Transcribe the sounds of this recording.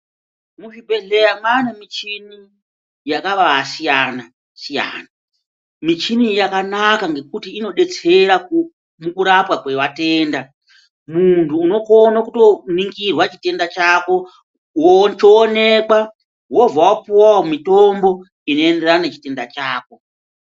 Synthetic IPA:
muʐibʱe̞ɮe̞ɾamwanemit͡ʃini | jakaʋasijana | sija̰ːna | mit͡ʃinijakanakaŋɡe̞kutiːno̞ɗe̞t͡se̞ɾak | mukuɾapwakwe̞wate̞ːnda | muntʰuːno̞ko̞nakuto̞niŋɡirwat͡ʃi̥te̞ndat͡ʃako̞ | wot͡ʃoːne̞kwa | wo̞vawapuwawomitombo̞ | ino̞e̞nde̞rananet͡ʃi̥te̞ndat͡ʃaːko̞

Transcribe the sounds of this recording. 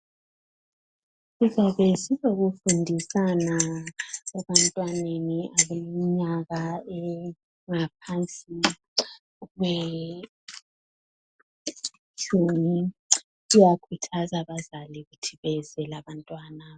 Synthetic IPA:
sizaβɛsizoɣufundʱisana | ɛβantʼwaneniʔaβeiiɲaɣaɛ | ŋap̚ʰant͡sʼi | ɣwe | t͡ʃʰʼumi | ujakʰutʰazaβazaliɣutʰiβɛzɛlaβantʼwaːna

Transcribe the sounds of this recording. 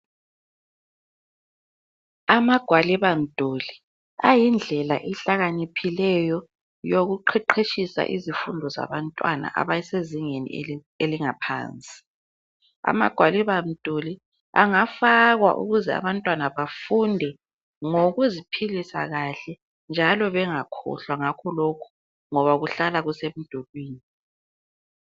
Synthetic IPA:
amaɡ̥ʱwaliβam̩d̥ʱoli | ajind͡ɮʱɛlaʔɛɬaɣanipʰilɛjɔ | joɣuǃʰɛǃʰeʃisa̰ʔḭzifundʱɔza̰βantʼwa̰na̰ʔa̰βajiseziŋenḭ | eliŋapʰa̰ːnt͡sʼi̥ | a̰ma̰ɡ̥ʱwaliβam̩d̥ʱuli | a̰ŋafaɣwa̰ʔṵɣuzɛa̰βantʼwanaβafundʱɛ | ŋoɣuzipʰilisa̰ɣaɬɛ | nd͡ʒʱalɔβɛŋakʰɔ̰ɬwaŋakʰɔlokʰu̥ | ŋɔβaɣuɬalaɣusem̩d̥ʱolwiːni

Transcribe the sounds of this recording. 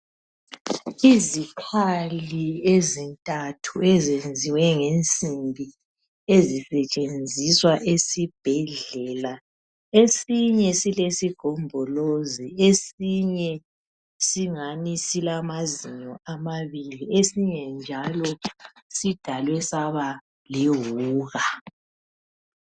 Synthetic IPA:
izikʰaliezintʼatʰuezend͡zʱiwɛŋent͡sʼimbʱi | ezisɛt͡ʃʼend͡zʱiswaʔesib̥ʱɛɮɛla | esiɲɛsilesiɡ̥ʱɔmbʱɔloziesiɲɛ | siŋanisilamaziɲɔamaβiliesiɲɛnd͡ʒʱalɔsid̥ʱalwɛsaβa | liɦuːɣa

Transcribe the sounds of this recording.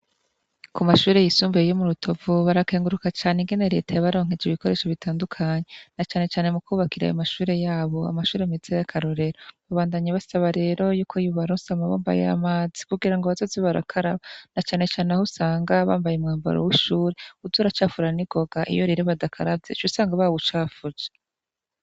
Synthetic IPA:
kumaʃuːɾejisuːmbejomuɾutʰo̞vuβaɾake̞ːŋɡuɾukat͡ʃaːneŋɡe̞ne̞ɾe̞̰tʰajaβaɾo̞ːŋhed͡ʒiβiko̞ɾeːʃoβitʰaːndukʰaɲe̞nat͡ʃaːne̞t͡ʃaːne̞mukʰuːβakiɾa̰jo̰maʃuːɾe̞jaːβo̞a̰maʃuːɾemizejakʰaɾo̞ɾe̞ɾaβaβaːndaɲaβasaβaɾe̞ːɾo̞juːkʰo̞ijuβaɾosamaβa̰ːmba̰jḛa̰maːzi̥kuɡiɾaŋɡoβazoziβaɾa̰kʰaɾaβanat͡ʃaːne̞t͡ʃaːneahusaːŋɡaβaːmbajemŋaːmba̰ɾo̰wiʃuːɾeuzuɾat͡ʃaːfuɾaniɡ̥o̞ɡaʔḭjo̞ɾiɾeβadakʰaɾavjet͡ʃusaːŋɡaβaβut͡ʃaːfud͡ʒe

